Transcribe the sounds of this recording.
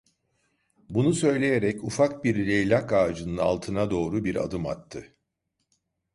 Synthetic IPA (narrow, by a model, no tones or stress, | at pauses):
bunusø̞jlʲe̞jeɾɛcufak̚biɾːejlʲakaːd͡ʒɯnɯna̰lˠt̪ʰɯnad̪o̞ːɾubiɾa̰d̪ɯma̰t̪ʰːɯ